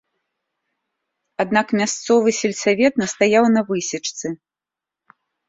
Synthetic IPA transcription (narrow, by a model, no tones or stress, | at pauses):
ad̪nakmʲast̪sɔvɨsʲɛlʲsavʲɛt̪̚nɐst̪ajawnɐvɨsʲit͡ʂt̪sɨ